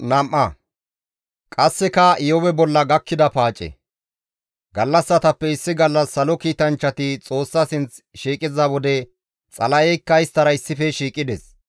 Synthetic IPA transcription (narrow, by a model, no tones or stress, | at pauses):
nɐmʔːɐ | kʼɐsːɛkɐɪjɔwɛbɔlːɐɡɐkːɪd̪ɐpaːt͡ʃʼɛ̰ | ɡɐlːɐsːɐt̪ɐpːɛɪsːɪɡɐlːɐsːɐlɔkiːt̪ɐnt͡ʃːɐt̪ɪt͡sʼo̞ːsːɐsɪnt͡s | ʃiːkʼɪzɐwɔd̪ɛ | t͡sʼɐlɐjɛjkːɐjɪst̪ɐɾɐɪsːɪfɛʃiːkʼɪd̪ɛs